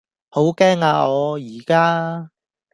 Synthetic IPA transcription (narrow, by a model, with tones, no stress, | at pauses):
ho˨˥wkɛː˥ŋaː˧ɔː˨˧jiː˨˩kaː˥